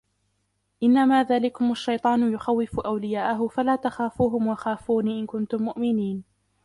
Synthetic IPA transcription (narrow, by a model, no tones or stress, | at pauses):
ʔɪnːamaːðaːlɪkʊmʔaʃːɑjt̪ˤɑːnʊjʊxawːɪfʊʔawlɪjaːʔʊɦʊfalaːt̪axaːfuːɦʊmwɑxaːfuːniʔɪnkʊnt̪ʊmːʊʔmɪniːn